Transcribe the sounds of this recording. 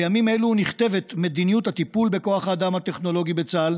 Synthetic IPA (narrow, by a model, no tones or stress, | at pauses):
jamime̞luniχt̪e̞ve̞t̪me̞d̪inijuthat̪ipulbe̞ko̞aχaːdamhat̪e̞χno̞lo̞ɡibet͡sal